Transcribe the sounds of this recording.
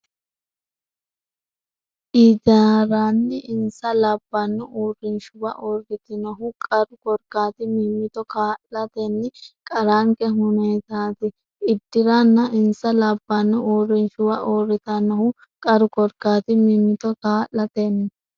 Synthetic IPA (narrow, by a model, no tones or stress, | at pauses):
ʔid̪aɾaːnːɪɪnsɐlɐbːɐnːʊʔoːrːɪnʃʊbɐ̰ʔoːrːɪt̪ɪnɔɦʊkʼɐɾʊkɔɾkaːt̪ɪmɪmːɪt̪ɔkaːllɐt̪ɛnːɪkʼɐɾaŋkɛɦʊneːt̪aːt̪ɪ | ɪd̪ːɪɾanːɐɪnsɐlɐbːɐnːʊoːrːɪnʃʊwɐʔoːrːɪt̪ɐnɐhʊ | kʼɐɾʊkɔɾkaːt̪ɪmɪmːɪt̪ɔkaːllɐt̪ɛnːɪ